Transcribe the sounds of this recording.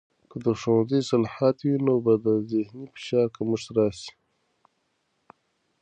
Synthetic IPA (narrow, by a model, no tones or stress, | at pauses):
kəd̪əʂõzisalħaːt̪winobad̪əzehnifi̥ʃɑːɾkamuʂt̪ɾɑːsi̥